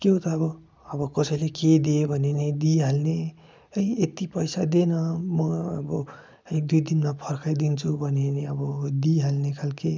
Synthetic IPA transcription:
keõt̪ʌːbʌ | ʌbʌkʌsʌjleked̪ebʱʌnened̪iɦalne | ʌiet̪ipʌjsad̪enʌmʌʌ̰bʌ | ʌid̪ujd̪inmapʰʌrkʰajd̪int͡sʰubʱʌneneʌbʌd̪iɦalnekʰalke

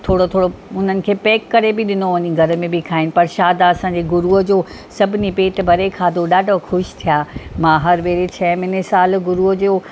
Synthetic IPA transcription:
t̪ʰoːɽot̪ʰoːɽoʊn̤ənɪ̆kʰeːpeːkːɐɾebɪɗɪnoʋɐɲĩɡʱɐɾə̆mẽbɪkʰaːɦɪnɪ̆pɐɾʃaːd̪aɐsãːɲd͡ʑeɡʊɾuəd͡ʑoː | sɐbʱɪnipeːʈbʱɐɾekʰaːd̪ʱoɗaːɖʱoxʊʃt̪ʰijaːmãːɦɐɾʋeːɾet͡ɕʰɐ̃ːmɪnesaːlɡʊɾuəd͡ʑoː

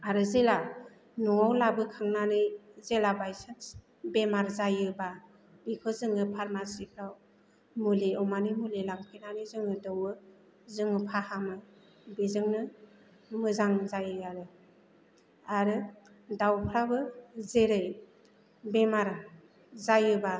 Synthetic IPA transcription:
aɾɯzela | nuŋawlabɯkʰaŋnanɯjzelabajsɯns | bemaɾzajɯba | b̥ikʰɯzɯŋɯpʰaɾmasipʰɾaw | muleɔwmanɯmulelaŋpʰejnanɯjzɯŋɯdɯwɯ | zɯŋɯpʰahamɯ | bizɯŋnɯ | mɯzaŋzajɯjaɾɯ | aɾɯ | dawpʰɾabɯzeɾɯj | bemaɾ | zajɯba

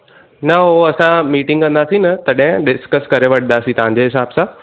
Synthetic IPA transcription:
nɐoɐsãmiːʈɪ̃ŋɡkə̃nd̪aːsĩnɐt̪ɐɗẽɖɪskəskɐɾeʋɐʈʰnd̪asĩt̪ɐɦãɲd͡ʑeɦɪsaːbsã

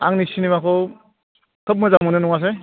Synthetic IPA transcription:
aŋnisinimakʰɯw | kʰɯp̬̚mɯzamɯnɯnuŋas̬e

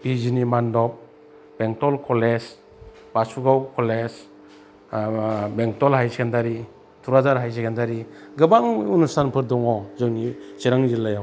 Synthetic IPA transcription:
bizinimandɔp̚ | b̥eŋtɔlkʰɔles | b̥asuɡawkʰɔles | beŋtɔlhajsekʰendaɾi | tʰuɾazaɾɦajsekʰendaɾiɡɯbaŋunusanpʰɯɾdɔŋɔzɯŋnisiɾaŋzilːajaw

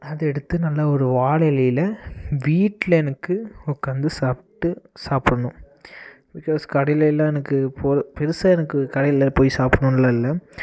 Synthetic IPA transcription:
ɐðɯɛɽɯt̪ːɯnɐlːɐɔɾɯʋaːɭɐjlɐjɪlɐʋiːʈːlɐɛnɐkːɯɔkːɐːnd̪ɯsaːpʈːɯsaːpɾɐɳʊ̃ | bɪkaːskɐɽɐjlɐlːãːɛnɐkːɯpoːpɛɾɯsɐɛnɐkːɯkɐɽɐjɪlɐpoːjisaːpɐɳɯ̃nlɐɪlːɐ

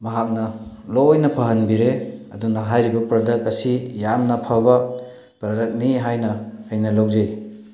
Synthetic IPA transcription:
mɐɦak̚nɐlojnɐpʰɐɦɐnbiɾeɐ̰dunaɦajɾibɐpɾɐdɐk̚ɐsijamnɐpʰaba | pɾɐdɐk̚niɦajnɐːjnɐlowzej

